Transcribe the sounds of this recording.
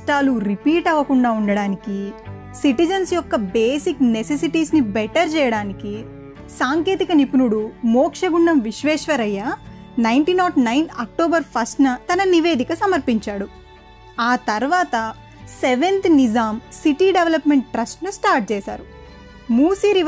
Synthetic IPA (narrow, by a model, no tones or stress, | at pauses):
ʈaːluɾipiːʈɐʋɐkuɳɖaːuɳɖɐɽaːniki | siʈid͡ʒɐnsjɔkːɐbeːsiknesesiʈiːsnibɛʈɐɾt͡ʃɛːjɐɽaːniki | saːŋkeːt̪ikɐnipunuɽumɔːkʂɐɡuɳɖɐmʋiʃʋɛːʃʋɐɾɐjːanɐjɳʈinɔːʈnɐjnɐk̚ʈoːbɐɾpʰɐsʈnɐt̪ɐnɐniʋe̞ːd̪ikɐsɐmɐɾpiɲt͡ʃaːɽu | aːt̪ɐɾʋaːt̪ɐ | seʋent̪nid͡ʒaːmsiʈiːɖeʋlɐpmeɳʈːɾɐsʈnusʈaːɾʈ̚t͡ʃɛːsa̰ːɾu | muːsiːɾi